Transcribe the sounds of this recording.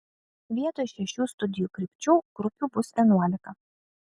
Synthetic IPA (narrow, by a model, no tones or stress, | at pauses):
ʋʲiɛt̪oːjɪʃʲɛʃʲuːst̪ʊd̪ʲɪjuːkɾʲɪˑpʲt͡ʃʲuːɡ̥ɾʊpʲuːbʊsʲɛnuɔlʲɪkɐ